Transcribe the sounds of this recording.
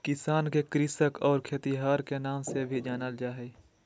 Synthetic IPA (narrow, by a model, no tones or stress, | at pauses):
kɪsaːnkekɾɪsəkɔːɾkʰeːt̪iɦaːɾkenaːmsebʱid͡ʒaːnəld͡ʒaːɦɛː